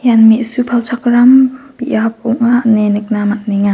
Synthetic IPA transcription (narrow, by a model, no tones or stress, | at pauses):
janmeʔsupʰalsʰakɾambiʔap̚ɔŋanenek̚namat̚niŋa